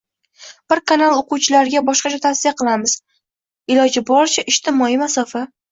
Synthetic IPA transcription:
b̥ɪɾkanalˠoqʊwt͡ʃʰɪlaɾɪɡʲabɒʃqɑt͡ʃʰat̪ʰasijaqʰɨlˠamɪz̥ | ɪlɒd͡ʒɪbɒɾt͡ʃʰaʔɪʃt̪ʰɪmɒimasɒfa

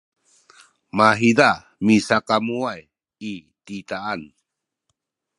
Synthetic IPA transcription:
maɦida | misakamuaj | i | t̪itaːn

